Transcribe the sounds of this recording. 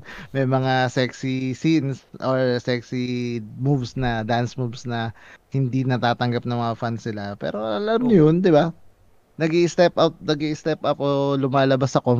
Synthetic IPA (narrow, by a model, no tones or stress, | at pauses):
mɐjmɐŋasɛksisinsʔoɹsɛksimuvsnɐd̪ansmuvsnɐhɪnd̪inɐt̪aːt̪ɐŋɡɐp̚nɐŋmɐŋafansɪlapɛ̰ːɾo̞ʔɐlamnɐjond̪ɪba | nɐɡiʔɪst̪ɛpʔawt̪̚nɐɡiʔɪst̪ɛpʔɐpʔoːlʊmaːlɐbasɐko